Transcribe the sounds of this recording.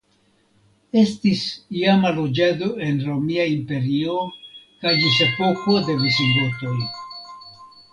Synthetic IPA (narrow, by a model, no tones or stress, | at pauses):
e̞stisijamalo̞d͡ʒad̪o̞e̞nɾo̞miaimpe̞ɾio̞kajd͡ʒisepo̞kode̞visiŋɡoto̞j